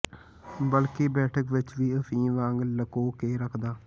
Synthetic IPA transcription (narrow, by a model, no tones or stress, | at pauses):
bəlkeːbɛːʈʰəkʋɪt͡ʃʋiːəpʰĩːʋãːŋɡləkoːkeːɾəkʰd̪aː